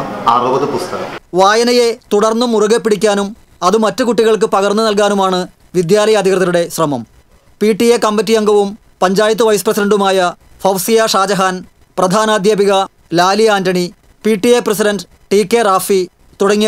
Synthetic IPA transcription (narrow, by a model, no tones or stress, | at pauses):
ɐrubɐðɨpust̪ɐɣɐ̰mʋaːjɐnɐjet̪uɽɐrnːumuruɣepːiɽikʲːaːnum | ɐðɨmɐtːɨkuʈːiɣɐɭk̬ɨpɐɣɐrnːɨnɐlkaːnumaːɳɨ | ʋid̪jaːlɐjɐd̪ʱikrɨðɐluɽe̞ɕrɐmɐm | piːʈːijekɐmbɐt̬ːijɐŋɡɐʋum | pɐɲd͡ʑaːjɐt̪̬ːɨʋɐjsɨ̥prɐsiɖɐɳɖumaːjɐ | fɐwsijaʂaːd͡ʑɐɦaːn | prɐd̪ʱaːnaːd̪jaːbiɣɐ | laːliaːndɐɳi | piːʈːijeprɐs̬iɖɐnɖ | ʈiːkːeraːfi | t̪uɽɐŋːi